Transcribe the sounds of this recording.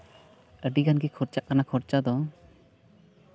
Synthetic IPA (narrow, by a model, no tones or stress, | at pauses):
əɖiɡanɡikʰɔɾt͡ʃaʔkanakʰɔɾt͡ʃad̪ɔ